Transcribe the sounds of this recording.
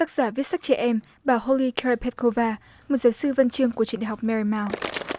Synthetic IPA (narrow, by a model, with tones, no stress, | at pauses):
t̪a˦˥k̚z̥aː˧˩vi˦˥ət̚sa˦˥k̚t͡ɕɛ˧˩ʔɛ˧m | ɓaː˨˩ho˧li˧kʰɛ˧ɹa˧pʰɛ˦˥t̚ko˧vaː˧ | mo˨˩t̚zaː˨˦wsɨ˧və˧nt͡ɕɨ˧əŋku˧˩ət͡ɕi˧˩ən˨˩wk͡p̚mɛ˧ɹi˧maː˧w